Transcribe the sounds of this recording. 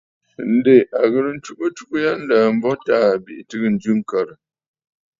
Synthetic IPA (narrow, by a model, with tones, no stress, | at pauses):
n̩˦de˨ʔa˨ɣə˨ɾə˨n̩˦t͡ʃu˦ʔə˦t͡ʃu˦ʔu˦ja˦n̩˦laː˨m̩˦bɔ˦taː˦˨bi˨ʔtɨ˦kə˦n̩˨d͡ʒʉ˦ŋ̩˨kə˨ɾə˨